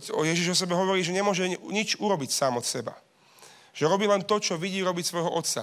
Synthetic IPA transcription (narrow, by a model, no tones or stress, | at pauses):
ɔjɛʒiʒɔs̬ɛbɛɦɔʋɔɾiːʒɛɲɛmʊɔʒɛɲit͡ʃuɾɔbicsaːmɔt̪sɛba̰ | ʒ̥ɛɾɔbiːlɛnt̪ɔt͡ʃɔʋiɟiːɾɔbicsʋɔjɦɔʔɔt̪sa̰